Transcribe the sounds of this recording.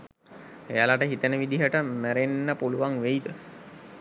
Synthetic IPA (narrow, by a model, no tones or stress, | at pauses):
ejalaʈəɦit̪ənəʋid̪iɦəʈəmæɾenːəpuluʋaŋʋeid̪ə